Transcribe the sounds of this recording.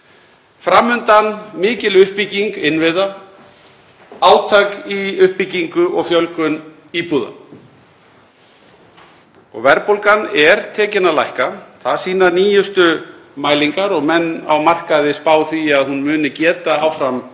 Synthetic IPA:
fɾamːʏnt̪anmɪːcɪlʏhpiciŋkɪnvɪða | aːwt̪ʰakiʏhpiciŋkʏʔɔɣfjœlkʏn | iːpuða̰ | ɔ̰ɣvɛɾpowlkanɛɾt̪ʰɛːcɪnalajhkaθaðsiːnaniːjʏst̪ʏmaːjliŋkaɾɔɣmɛnːa̰wmar̥kaðɪspaːwθiaðhunmʏːnɪcɛːt̪aawfɾam

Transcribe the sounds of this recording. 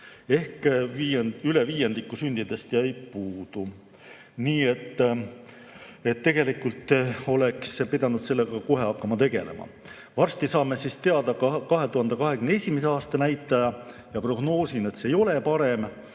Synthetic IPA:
e̞hkiyle̞viːjend̪ikːusynʲd̪̥id̪e̞st̪jɑjpuːd̪̥u | niːe̞t̪ː | et̪ːe̞ɡ̥e̞likult̪ˑːo̞lekspid̪ɑnud̪̥se̞lːe̞ɡ̥ɑko̞ɦe̞ɑkːɑmɑt̪e̞ɡ̥e̞̰le̞̰mʔɑ̰ | vɑrst̪isɑːme̞sist̪e̞ɑd̪̥ɑkkɑɦe̞t̪uhɑnd̪ekɑɦe̞kymnee̞sʲimese̞ɑːst̪ɑnæjt̪ːˑɑjɑ | jɑpro̞ɡno̞ːsinet̪seːjo̞le̞pɑɾe̞m

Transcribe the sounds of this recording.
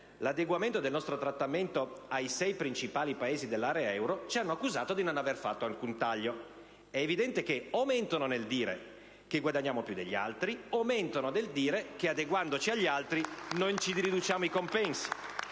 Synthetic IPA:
lad̪eɡwament̪od̪elnɔst̪ɾot̪ɾat̪ːament̪oajsɛjpɾint͡ʃipaːlipaeːzid̪elːaːɾeaɛwɾot͡ʃianːoakːuzaːt̪od̪inonaverfat̪ːoalkunt̪aʎːo | ɛːvid̪ɛnt̪ekeament̪ononeld̪iːɾḛ | keɡwad̪aɲːaːmopjud̪ḛʎːia̰lt̪ɾiament̪onod̪eld̪iːɾekead̪eɡwand̪ot͡ʃiaʎːalt̪ɾinont͡ʃid̪ɾid̪ut͡ʃaːmoikompɛnsi̥

